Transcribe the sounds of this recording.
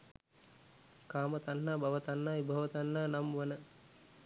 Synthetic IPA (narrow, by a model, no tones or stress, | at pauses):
kaːmət̪anːaːbʱɐʋət̪anːaːibʱɐʋət̪anːaːnamʋənə